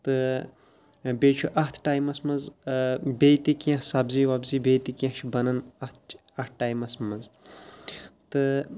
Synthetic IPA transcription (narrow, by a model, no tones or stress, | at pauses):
t̪ɨ | beːt͡ʃʰuʔɐht̪ʰʈaːjmɐsmɐnz | beːt̪ikiãsɐbziʋɐbziːbeːt̪ikjɐ̃t͡ʃʰbɐnɐnɐt̪̚ʰt͡ʃ | ɐt̪̚ʰʈaːjmɐsmɐz | t̪ɨ